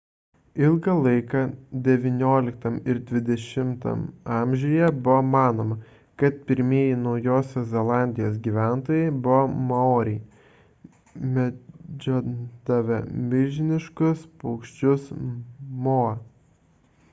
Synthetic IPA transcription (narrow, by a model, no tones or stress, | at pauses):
ɪlˠɡɐlˠɐɪkɑd̪ʲɛʋʲɪnʲoːlʲɪkt̪ɐmɪɾd̪ʲʋʲɪd̪ʲɛʃʲɪmt̪ɐ̰mɑˑmʲʒʲojɛbʊʋomɑːnoːmɐ | kɐt̪pʲɪɾʲmʲiɛjɪnɒʊjoːsʲoːszʲɛlˠɑˑnʲd̪ʲɪjoːs̬ɡʲiːʋʲæˑnt̪oːjɛɪbʊʋomɐoːɾʲɛɪ | mʲɛd͡ʒʲoːd̪ɐʋʲɐmʲɪʒʲɪnʲɪʃkʊspɐʊkʃʲt͡ʃʲʊsmoːɐ